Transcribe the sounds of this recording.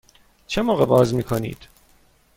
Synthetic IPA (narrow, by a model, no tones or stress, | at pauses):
t͡ʃʰemoːɣebɒːzmiːkʰonḭːd̪̥